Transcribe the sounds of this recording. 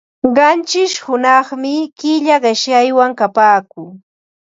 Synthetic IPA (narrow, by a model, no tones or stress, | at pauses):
ɢɑnt͡ʃɪʃhʊnɑχmɪkɪʎaɢɪʃjajwaŋkapaːkʊŋ